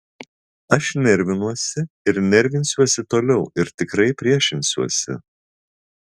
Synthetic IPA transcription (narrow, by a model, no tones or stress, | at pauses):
ɐʃnʲɛɾʲʋʲɪnuɔsʲɪ | ɪɾnʲɛɾʲʋʲɪnʲsʲuɔsʲɪt̪oːlʲɛʊɪɾt̪ʲɪkɾɐɪpʲɾʲiɛʃʲɪnʲsʲuɔsʲɪ̰